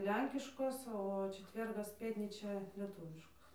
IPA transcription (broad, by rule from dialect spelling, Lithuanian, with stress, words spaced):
ˈlʲɛŋʲkʲɪʃkoːs oː t͡ʃʲɛˈtʲʋʲɛrɡɐs ˈpʲeːtʲnʲiːt͡ʃʲɛ lʲiɛˈtuːʋʲɪʃkoːs